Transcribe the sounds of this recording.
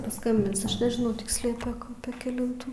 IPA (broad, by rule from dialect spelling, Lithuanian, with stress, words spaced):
pɐˈskɐmʲbʲɪns ˈɐʃ nʲɛʒʲɪˈnɐʊ ˈtʲɪksʲlʲɛʊ pʲeːk ˈɑːpʲeː kʲɛˈlʲɪntuː